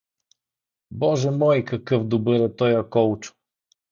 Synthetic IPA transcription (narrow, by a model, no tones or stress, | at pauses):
bɔʒɛmɔjkɐkɤfd̪ʊbɤɾɛt̪ɔjɐkɔlt͡ʃʊ̥